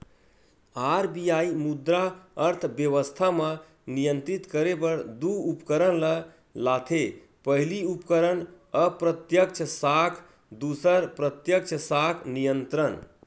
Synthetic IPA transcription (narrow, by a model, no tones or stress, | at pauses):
aɾbijaimud̪ɾaəɾt̪ʰbjəʋəst̪ʰamə | nijənt̪ɾit̪kəɾebəɾd̪uupkəɾənlə | lat̪ʰe | pəɦliupkəɾən | əpɾət̪jək̚t͡ʃʰəsakʰ | d̪usəɾpɾət̪jək̚t͡ʃʰəsakʰnijənt̪ɾən